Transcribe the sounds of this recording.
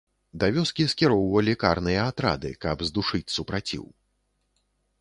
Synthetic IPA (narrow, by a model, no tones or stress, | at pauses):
d̪avʲɔskʲiskʲiɾɔwvɐlʲikarnɨjɐat̪ɾa̰d̪ɨ̰kɐbzd̪uʂɨt͡sʲsupɾat͡sʲḭw